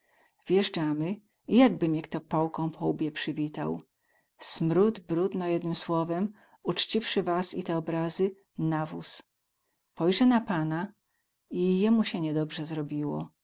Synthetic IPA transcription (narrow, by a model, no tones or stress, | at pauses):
vʲjɛʐd͡ʐamɘ | ijaɡbɘmʲjɛkt̪ɔpɔwkɔ̃w̃pʰɔubʲjɛpʂɘvʲit̪a̰w | smɾud̪bɾud̪nɔjɛd̪nɘmswɔvɛm | ut͡ʂt͡ɕifʂɘvasḭt̪ɛɔbɾazɘ | navṵs | pɔjʐɛnapana | ijɛmuɕɛɲɛd̪ɔbʐɛzɾɔbʲiwɔ̰